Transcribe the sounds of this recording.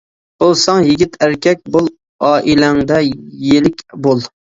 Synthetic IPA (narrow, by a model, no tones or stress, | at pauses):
osɑŋjɪɡʲit̪ʰæɾkʲɛk̚ʲbolˠ | ɑːʔilæŋd̪ɛjelɪkʲbolˠ